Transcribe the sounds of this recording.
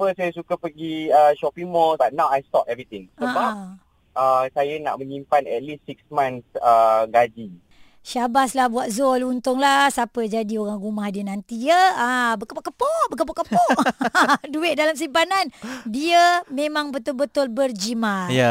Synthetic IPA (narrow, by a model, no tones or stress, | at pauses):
pəsajasukapəɡiəʃɔpimɔbaʔ̚nawajst̪ɔpɛvɾit̪ɪ̃ŋsəabap | əsajana̰ʔməɲimpanɛ̰t̪̚lisːiksmãnsəɡad͡ʒi | ʃabaslahbuat̪̚zɔlunt̪ʊŋlasapəd͡ʒadioɾaŋɡumahdiənant̪iəabəkəpɔʔkəpɔbəkəpɔʔkəpɔʔduɪt̪̚dalams̬impanandiəmẽmãŋbət̪ʊlbət̪ʊlbərd͡ʒimaja